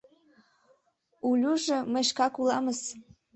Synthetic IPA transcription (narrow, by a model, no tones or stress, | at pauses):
ulʲuʒɤ̆mə̆ʃkɑkulˠɑməs